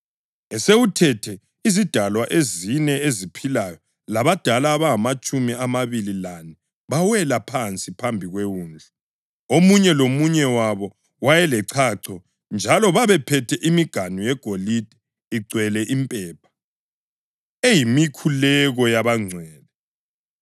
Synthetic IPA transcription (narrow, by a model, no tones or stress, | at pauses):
ɛseutʰɛtʰɛ | izid̥ʱalwaʔezinɛezipʰilajɔ | laβad̥ʱalaːβaɦamat͡ʃʼumiamaβililanɛ | βawɛlapʰant͡sʼipʰambʱiɣweuːnd͡ɮʱa | omuɲɛlomuɲɛwaβɔ | wajɛlɛǀʰaǀʰɔ | nd͡ʒʱalɔβaβɛpʰɛtʰɛʔimiɡ̥ʱanujɛɡ̥ʱolid̥ʱɛ | iǀwɛlɛʔimpʼɛːp̚ʰḁ | ejimikʰulɛɣɔjaβaŋ͡ǀʱwɛːlɛ